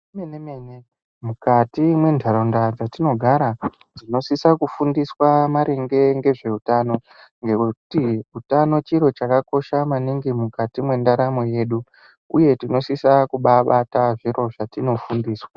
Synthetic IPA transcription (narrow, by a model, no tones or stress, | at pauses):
menemeːne | mukatimwe̞ndʱaɾondad͡zatino̞ɡʱaɾa | d͡zino̞sisakufundiswamaɾeŋɡe̞ŋɡe̞ʐe̞utaːno̞ | ŋɡe̞kutiutano̞t͡ʃiɾo̞t͡ʃakako̞ʃamaniŋɡimukatimwe̞ndaɾamo̞je̞ːɗu | uje̞tino̞sisakuɓaɓataʐiro̞ʐatino̞fundiːswa